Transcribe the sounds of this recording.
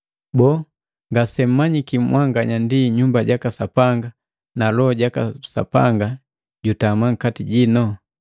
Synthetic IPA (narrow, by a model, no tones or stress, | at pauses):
bɔ | ŋɡasɛm̩maɲikim̩waŋɡaɲandiɲumbaɟakasapaŋɡa | nalɔɟakasa̰pa̰ŋɡa | ɟutamaŋ̩katiɟinɔ